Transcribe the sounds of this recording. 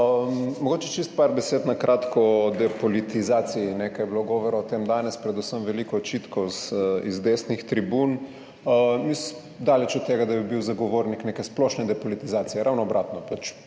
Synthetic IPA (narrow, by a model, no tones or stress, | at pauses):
əmmɔɡoːt͡ʃɛt͡ʃist̪̚paɾbɛseːt̪nakɾʔaːt̪kɔɔd̪ɛpɔlit̪izaːt̪sijinɛkajɛbiloɡɔːʋɔɾaɔt̪emd̪aːnɛspɾɛd̪usəmʋɛlikɔɔt͡ʃit̪kɔzizd̪esnixt̪ɾibun | mis | d̪aːlɛt͡ʃɔt̪ːeːɡad̪abibiwzaɡoʋoːɾniknekɛsplɔʃnɛd̪ɛpɔlit̪izaːt̪sijɛɾʔawnɔːbɾʔat̪nɔpat͡ʃ